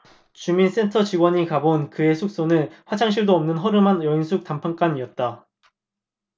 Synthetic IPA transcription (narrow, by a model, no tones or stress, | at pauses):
t͡ɕumins͈e̞ntʰʌt͡ɕiɡwʌɲikabonkɯe̞sʰuk̚s͈onɯnɸwat͡ɕʰaŋɕ̬ʰiɭdoʌmnɯnɦʌɾɯmanjʌinsʰuk̚tampʰaŋk͈aɲiʌt̚t͈a